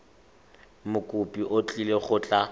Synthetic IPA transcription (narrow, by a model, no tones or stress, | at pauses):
mʊkʼʊpʼiʔot͡ɬʼileχʊːt͡ɬʼa